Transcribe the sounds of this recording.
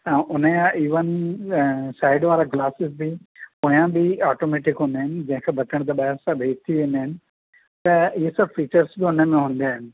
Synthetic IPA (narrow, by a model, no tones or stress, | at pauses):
ãːʔʊnəjãʔiːʋən | saːɪɖʋaːɾaɡlaːsɪzbɪpoːjãbɪaːʈoːmeːʈɪkɦũːn̆d̪aɦɪnɪ̆d͡ʑɐ̃ɦɪ̃kʰebʱɐt̪əɽ̃t̪̬ɐɓɐɦɪɾsãbʱeːd͡ʑt̪ʰiʋẽːnd̪aːɦɪnɪ̆ | t̪ɐɪɦesɐbfiːt͡ɕəɾsbɪʊnəmẽɦũːn̆d̪aːɦɪnɪ̆